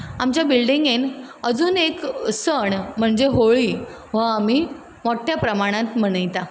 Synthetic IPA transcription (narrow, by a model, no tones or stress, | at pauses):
amt͡ɕjabilɖiŋɡenəd͡zuːneksəɳm̤əɳd͡zeɦoɭiː | ʋaam̤iː | moʈʰːjapɾəmaɽ̃ãt̪m̤əɽ̃əjt̪a